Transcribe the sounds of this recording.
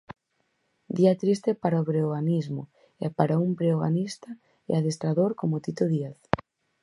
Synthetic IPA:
d̪iat̪ɾist̪epaɾaoβɾeoɣanizmʊ̰ | ɛpaɾaumpɾeoɣa̰nist̪a | ɛ̰aðest̪ɾaðoɾkomot̪it̪oðieθ

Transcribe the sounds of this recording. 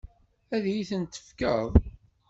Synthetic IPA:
æðjiθənt̪ːə̥fkəðˤ

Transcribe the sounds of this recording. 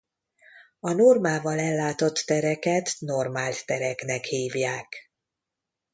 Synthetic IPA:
ɒnormaːvɒlɛlːaːt̪o̞t̪ːɛɾɛkɛt̪no̞rmaːlt̪t̪ɛɾɛknɛkhiːvjaːk

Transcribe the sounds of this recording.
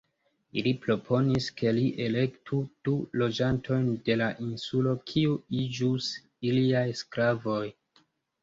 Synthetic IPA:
ilipɾo̞pʰo̞niske̞liʔe̞le̞ktʰud̥ulo̞d͡ʒantʰo̞jnde̞laʔinsulo̞kʰiuid͡ʒus | iliajsklavo̞j

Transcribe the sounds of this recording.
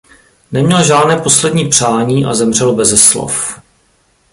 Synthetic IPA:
nɛmɲɛlʒaːdnɛːpo̞slɛdɲiːpr̝̥aːɲiːʔa̰zɛmr̝ɛlbɛzɛslo̰f

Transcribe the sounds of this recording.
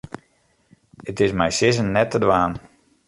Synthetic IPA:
ətɪsmɛjsɪz̬ənːɛtədʋaːn

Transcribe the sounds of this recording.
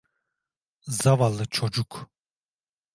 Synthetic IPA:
zavalːɨt͡ʃʰɔd͡ʒukʰ

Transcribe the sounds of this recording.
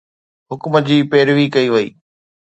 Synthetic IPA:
ɦʊkməd͡ʑiːpeːɾʋikɐiʋɐḭː

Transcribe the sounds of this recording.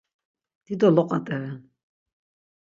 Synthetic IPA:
d̪̥id̪ɔlɔqʼat̪ʼɛvɛn

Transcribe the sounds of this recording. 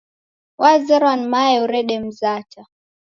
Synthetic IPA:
wazɛɾwanmajɛuɾɛɗɛm̩zat͡ʃa

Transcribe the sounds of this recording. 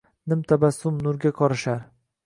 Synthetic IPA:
nɪmt̪ʰabasʊmnʊɾɡʲakʰɒɾɪʃaɾ

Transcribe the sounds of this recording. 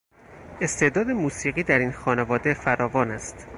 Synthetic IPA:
e̞st̪ʰe̞ʔd̪ɒːd̪e̞muːsiːɣiːd̪æɾiːnxɒːnevɒːd̪efæɾɒːvɒːnæst̪

